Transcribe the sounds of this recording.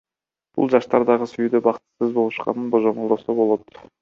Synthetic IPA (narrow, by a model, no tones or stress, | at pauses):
b̥ṵlˠd͡ʒɑʃt̪ɑɾd̪ɑʁəsyjyd̪øbɑqt̪ɯ̥sɯzbo̞lˠuʃqɑ̰nɯnboʒo̞mlˠd̪osobo̞lˠot̪